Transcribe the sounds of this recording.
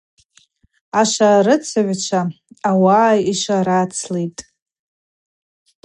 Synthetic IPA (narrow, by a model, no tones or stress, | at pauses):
aʃaɾɨt͡sʰaʕʷt͡ʃʷʰaː | waːjiʂaɾat͡sʰlejtʼ